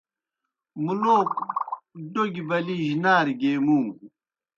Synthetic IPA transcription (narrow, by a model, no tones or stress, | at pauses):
muloːk̚ | ɖoɡibɐliʑinaːɾɡeːmũː